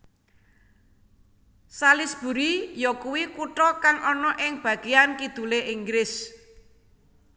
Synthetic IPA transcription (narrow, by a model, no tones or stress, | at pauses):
salɪsb̥ṳɾijɔkuwikuʈɔkaŋʔɔnɔʔɪŋb̥ä̤ɡ̥eankid̪̥ṳleʔiŋɡɾɪs